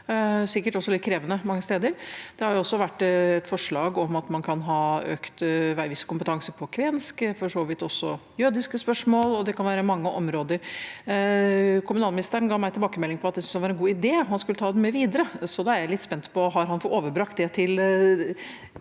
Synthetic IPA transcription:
sɪkːəʈɔsːɔlɪt̪kʰɾeːʋənəmɑŋːəst̪eːd̪əɾd̪̥ɛhɑɾjʊɔsːɔʋæʈːɛt̪fɔʂɭɑːɡɔmɑt̪mɑnkʰɑnɦɑːø̰ːkt̪ʋæʋɪsːə̥kʊmpət̪ʰɑŋsəɾpʰɔkʰʋɛnskfɔʂoːʋɪt̪ɔsːɔjøːd̪ɪskəspœʂmoːlɔd̪ɛkʰɑnʋæːɾəmɑŋːəʔɔmɾoːd̪əɾ | kʰʊmʉnɑlmɪnɪst̪əɾənɡɑːʋmæɪt̪ɪlbɑːkəmɛlːɪŋpɔɑt̪̚d̪ɛsʏnsɑʋɑɾɛnɡuːɪd̪eːɦɑnskʉlət̪ʰɑːd̪ɛmɛʋiːd̪əɾəsɔd̪ɑæɾjæɪlɪt̪ːspɛnt̪pʰɔɦɑɾɦɑnfɔoːʋəɾbɾɑkt̪̚d̪ɛt̪ʰɪl

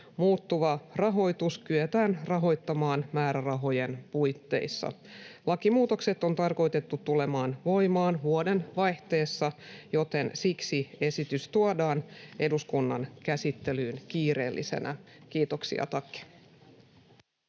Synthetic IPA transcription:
muːt̪ːuʋɑrɑɦo̞jt̪uskyøt̪æːnrɑɦo̞jt̪ːɑmɑːnmæːɾærɑɦo̞je̞npujt̪ːe̞̰isːɑ̰ | lɑkimuːt̪o̞kse̞t̪ːo̞nt̪ɑrko̞jt̪e̞t̪ːut̪ːule̞mɑːnʋo̞jmɑːnhuode̞nʋɑjht̪e̞ːsːɑjo̞t̪e̞nsiksie̞sit̪yst̪uɑdɑːne̞duskunːɑnkæsit̪ːe̞lyːnkiːɾe̞̰ːlːḭsḛnʔæ̰kiːt̪o̞ksḭɑ̰t̪ɑkːi̥

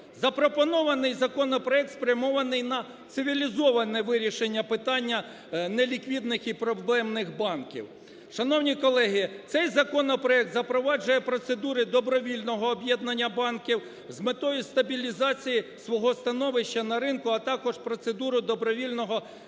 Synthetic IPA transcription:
zɐpɾɔpɔnɔʋɐnɪjzɐkɔnɔpɾɔɛkt̪spɾʲjɐmɔʋɐnɪjnɐ | t̪sɪʋʲilʲizɔʋɐnɛʋɪɾʲiʃenʲːɐpɪt̪ɑnʲːɐ | nelʲikʋʲid̪nɪxipɾɔblˠɛmnɪxbɑnkʲḭw | ʃɐnɔwnʲikɔlˠɛɦit̪sɛjzɐkɔnɔpɾɔɛk̚t̪zɐpɾɔʋɑd͡ʒʊjɛpɾɔt̪sed̪uɾɪd̪ɔbɾɔʋʲilʲnɔɦɔːbʲjɛd̪̚nɐnʲːɐbɑnkʲiw | zmet̪ɔjʊst̪ɐbʲilʲizɑt͡sʲijisʋɔɦɔst̪ɐnɔʋɪʃt͡ʃːɐnɐɾɪnkʊɐt̪ɑkɔʒpɾɔt̪sed̪uɾʊd̪ɔbɾɔʋʲilʲnɔɦɔ

